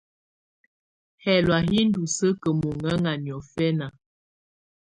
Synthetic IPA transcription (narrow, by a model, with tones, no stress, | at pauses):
hɛ˨lwa˨ɦi˦n̩˦du˨sə˦kə˨mo˨ŋə˦ŋa˨njɔ˨fɛ˦na˨